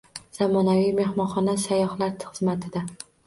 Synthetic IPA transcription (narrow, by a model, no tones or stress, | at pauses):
z̥amɒnavijme̞hmɒnχɒnasajɒhlaɾt̪χɨzmat̪ʰɪd̪a